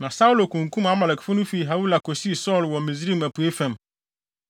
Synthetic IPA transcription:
nã˨sa˦u˦lo˨kũ˨ŋ̩˨kʰũ˦ma˦ma˨lɛ˨kfʊ˦nʊ̃˦fi˨ɦa˨˦wu˦la˨kʰo˨si˦˨sɔː˦˨lwɔ˨mĩ˨zi˦˨mæ˨pʰu˨e˦fɛ̃˦˨m

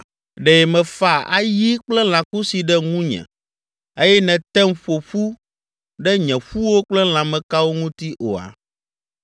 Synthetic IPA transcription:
ɖɛ˨mɛ̃˨fa˨a̰˦ji˦k͡plɛ˦l̃ã˨ku˦si˨ɖɛ˦ŋũ˦ɲɛ̰̃˨ | e˦jɛ˦nɛ̃˨t̪ɛ˦mɸo˨ɸu˦ | ɖɛ˦ɲɛ̃˨ɸu˦wo˦k͡plɛ˦l̃ã˨mɛ̃˨ka˦wo˦ŋũ˦t̪i˦ʔo̰˨a̰˨

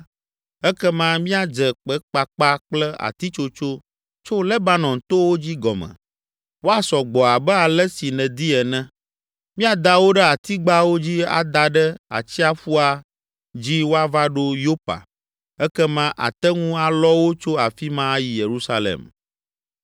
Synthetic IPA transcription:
ɛ˦kɛ˦mã˦mĩ˦a˦d͡ʒɛ˨k͡pɛ˦k͡pa˦k͡pa˦k͡plɛ˦a̰˨t̪i˦t͡ʃo˦t͡ʃo˦ | t͡ʃo˦lɛ˦ba˦nɔ̃˨nt̪o˦wo˦d͡ʑi˦ɡɔ˨mɛ̰̃˨ | wo˦a˨sɔ˨ɡ͡bɔ˨a˨bɛ˦a˨lɛ˦si˨nɛ̃˨d̪i˦ɛ˨nɛ̃˦ | mĩ˦a˨d̪a˦wo˦ɖɛ˦a˨t̪i˦ɡ͡ba˦wo˦d͡ʑi˦a̰˨d̪a˨ɖɛ˦a̰˨t͡ɕi˦a˦ɸu˦a˨ | d͡ʑi˦wo˦a˦va˦ɖo˦jo˦pa̰˨ | ɛ˦kɛ˦mã˦ʔa̰˨t̪ɛ˦ŋũ˦a˨lɔ˦wo˦t͡ʃo˦a˨fi˦mã˦ji˨je˨ɾu˦sa˦lḛ˨m

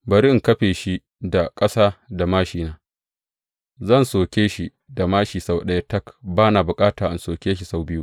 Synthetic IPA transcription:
bɐ˨ɾi˦ʔɪ˦ŋkɐ˦ɸeː˨ʃi˦ | da˨kʼɐ˦saː˦da˨maː˦ʃiː˨naː˦ | zɐ˦˨nsoː˨kʲeː˦ʃi˦˨ | da˨maː˦ʃiː˨sa˦wɗɐ˦ja˦tɐ˦kbaː˦naː˨bʊ˨kʼaː˦taː˨ʔa˨nsoː˨kʲeː˦ʃ̬i˨sa˦wbɪ˦ju˦ʔ

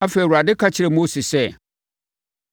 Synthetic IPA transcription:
a˦fe˨i˨wʊ˨a˨dɪ˦kʰa˦t͡ɕʰɪ˦ɾɛ˨mo˦si˨sɛ˦˨

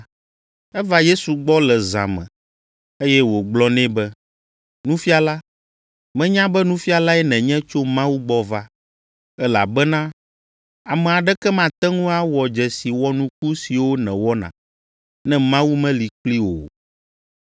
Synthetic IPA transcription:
ɛ˦va˦je˦su˨ɡ͡bɔ˦lɛ˨zã̰˨mɛ̰̃˨ | e˦jɛ˦wo˨ɡ͡blɔ˦nɛ̃˦bɛ˦ | nũ˦fi˦a˨la˦ | mɛ̃˦ɲã˦bɛ˦nũ˦fi˦a˨la˦ɛ˦nɛ̃˨ɲɛ̃˦t͡ʃo˦mã˦wu˦ɡ͡bɔ˦va˦ | ɛ˦la̰˨bɛ˦nã˦ | a˨mɛ̃˨a˨ɖɛ˦kɛ˦mã˦t̪ɛ˦ŋũ˦a˦wɔ˨d͡ʒɛ˨si˨wɔ˦nũ˦k̚u˦si˨wo˦nɛ̃˨wɔ˦nã̰˨ | nɛ̃˦mã˦wu˦mɛ̃˦li˨k͡pli˦wo̰˨

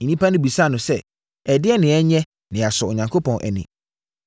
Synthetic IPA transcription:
nĩ˦pʰa˦nʊ̃˦bi˨sa˦˨nʊ̃˨sɛ˦ | ɛ˨dɪ˦ɛ˦nɪ̃˨ɛ˦ɲɛ̃˦ | nɪ̃˨a˨sʊ˨ɔ˨ɲã˨ŋkʰo˦pʰɔ̃˨nʔɛ̰˨nḭ̃˨

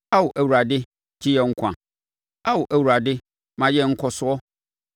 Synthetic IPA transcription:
a˦wʊ˨ʔæ˨wu˨ɾa˨dɪ˦ | tʰi˦jɛ˨ŋ̩˦kʷʰã̰˨ | a˦wʊ˨ʔæ˨wu˨ɾa˨dɪ˦ | mã˨jɛ˦ŋ̩˦kʰɔ˦sʊ˦ɔ˦

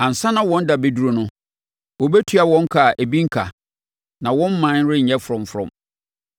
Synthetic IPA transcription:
ã˨n̩˨sã˦nã˦wɔ̃˦n˦da˨be˦du˦ɾo˦nʊ̃˦ | wɔ˨bɛ˦tʰɥa˨wɔ̃˦ŋ˦kʰa˨ʔe˨bi˦ŋ̩˦kʰa̰˨ | nã˨wɔ̃˦m̩˦mã˨˦nɾɪ˦ɲ̩˨ɛ̃˦fʊ˨ɾʊ̃˨mfɾɔ̰̃˨m

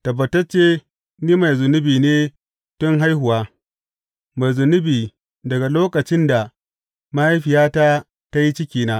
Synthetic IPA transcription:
tɐ˨bːɐ˨tɐ˦rt͡ʃːeː˦ | niː˦ma˨jzʊ˨nʊ˦biː˨neː˦ | tʊ˦ŋɦa˦jɦʊ˨waː˦ | ma˨jzʊ˨nʊ˦biː˨ | dɐ˨ɡa˨loː˦kɐ˨t͡ʃɪ˦nda˨ | ma˦ji˦ɸɪ˨jaː˦ta˦ | ta˦ji˦t͡ʃɪ˦kʲiː˨naː˦

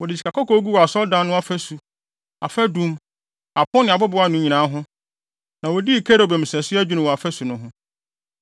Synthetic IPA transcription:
wɔ˨dɪ˨t͡ɕʰi̥˨kʰa˨kʰɔ˦kʰɔ˦ɡu˦wɔ˨a˨sɔ˦ldã˨nːʊ̃˦a˦fæ˦su˨ | a˨fɛ˦dũ˦m | a˨pʰʊ̃˦nɪ̃˨a˨bʊ˦bʊ˨˦a˨˦nʊ̃˨˦ɲi˨nã˨˦ɦʊ̃˦ | nã˨wɔ˨di˦i˨kʰe˦ɾo˨bɛ˨m̩˨sɛ˨sɪ˦æ˦d͡ʑᶣu˦nʊ̃˨wɔ˨a˨fɛ˦su˨nʊ̃˦ɦʊ̃˦

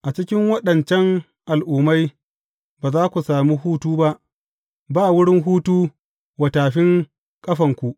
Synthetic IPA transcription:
ʔa˨t͡ʃɪ˦kʲɪ˦ŋwɐ˦ɗɐ˨nt͡ʃɛ˦ŋ | ʔa˨lʔuː˨ma˦j | baː˨zaː˦kʷu˨saː˨miː˦ɦuː˦tuː˦ba˦ʔ | baː˦˨wʊ˦ɽɪ˦ŋɦuː˦tuː˦ | wɐ˨taː˨ɸɪ˦ŋ | kʼɐ˦ɸɐ˨ŋkʷu˨ʔ

